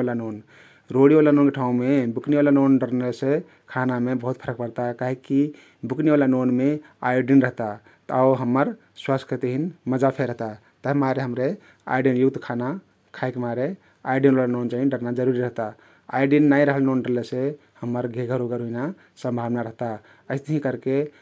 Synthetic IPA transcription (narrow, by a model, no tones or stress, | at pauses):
lanon | ɾoɽiʋalanonkeʈʰaũmebukneʋalanonɖəɾnese | kʰanamebəɦut̪̚pʰəɾək̚pəɾt̪akaɦeki | bukneʋalanonme | a̰jɖinɾəɦt̪a | t̪aʊɦəmːəɾ | swaskət̪eɦinməd͡ʒapʰeɾəɦt̪a | t̪əɦmaɾeɦəmɾe | a̰iɖinjut̪kʰana | kʰajkemaɾe | aiɖinɾalanont͡ʃaɦĩɖəɾnad͡ʒəɾuɾiɾəɦt̪a | a̰iɖinːaiɾəɦəlnonɖəɾlese | həməɾɡʱeɡʱəɾoɡəɾɦuina | sə̃mbʱabnaɾəɦt̪a | əɪst̪əɦĩkəɾke